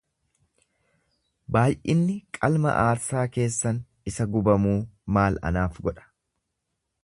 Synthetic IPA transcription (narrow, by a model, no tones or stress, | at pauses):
baːjʔɪnːɪkʼɐlmɐ̰ʔaːɾsaːke̞ːsːɐn | ɪsɐɡʊbɐmuːmaːlɐ̰naːfɡɔᶑɐ̥